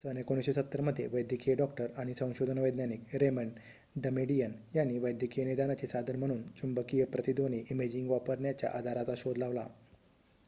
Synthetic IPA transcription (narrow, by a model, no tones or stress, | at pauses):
sənjekoñisɕisət̪ːəɾməd̪ʱːjeʋəjd̪ʱjəkijəɖɔkʈəɾaɽ̃isə̃w̃ɕod̪ʱənʋəjd̪nanikɾeməɳ | ɖəmeɖijənjanːiʋəjd̪ʱjəkijənid̪anat͡ɕesad̪ʱənm̤əɽ̃uːnt͡ɕumbəkijəpɾət̪id̪oñiʔimed͡ʑiŋɡʋapəɾɳjat͡ɕja̰ʔad̪ʱaɾat͡saɕod̪ʱlaʋla̰